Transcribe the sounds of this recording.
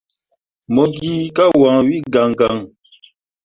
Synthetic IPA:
mɔ˨ɡi˦ka˦wãː˨wi˦ɡa˨ŋɡa˨ŋ

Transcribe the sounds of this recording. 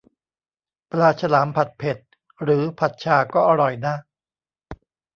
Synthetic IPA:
plaː˧t͡ɕʰa˧laː˩˦mpʰa˨˩t̪̚pʰe˨˩t̪̚ | ɾɯː˩˦pʰa˨˩t̪̚t͡ɕʰaː˧kɔː˥˩ʔa˧ɾɔ˨˩jnaː˥˩

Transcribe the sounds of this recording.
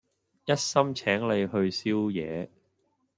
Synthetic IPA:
jɐ˥t̚sɐ˥mt͡sʰɛː˨˥ŋle˨˧jhɵ˧ɥsiː˥wjɛː˨˧

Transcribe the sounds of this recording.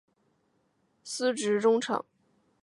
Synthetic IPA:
sɹ̩˥ʈ͡ʂɻ̩˧˥ʈ͡ʂʊ˥ŋʈ͡ʂʰɤ̰˨˩˦ŋ

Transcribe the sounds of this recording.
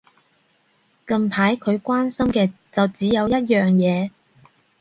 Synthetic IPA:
kɐ˧mpʰaː˨˥jkʰɵ˨˧ɥkʷwaː˥nsɐ˥mkɛː˧t͡sɐ˨wt͡siː˨˥jɐ˨˧wjɐ˥t̚jœː˨ŋjɛː˨˧

